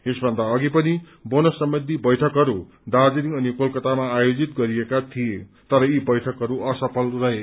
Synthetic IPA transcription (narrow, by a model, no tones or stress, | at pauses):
esbʱʌnd̪aʌɡipʌni | bonʌsːʌmbʌnd̪ʱibʌjʈʰʌkɦʌɾu | dard͡ziniŋʌnikolkʌt̪amaːjod͡zit̪̚ɡʌɾijekat̪ʰije | t̪ʌɾʌibʌjʈʰʌkɦʌɾuʌsʌpʰʌlrʌɦe